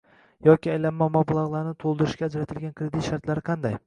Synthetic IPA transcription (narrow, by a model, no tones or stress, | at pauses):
jɒkʲiajlamːamablˠaʁlˠaɾnɪt̪ʰolˠd̪ɪɾɪʃɡʲaːd͡ʒɾat̪ʰɪlɡʲankʲɾed̪it̪ʃaɾt̪laɾɪqʰɑnd̪aj